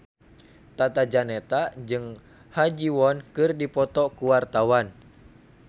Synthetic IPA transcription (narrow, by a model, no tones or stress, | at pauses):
t̪at̪ad͡ʒanɛt̪ad͡ʒɨŋ | had͡ʒiwɔnkɨrdipɔt̪ɔkuwart̪awan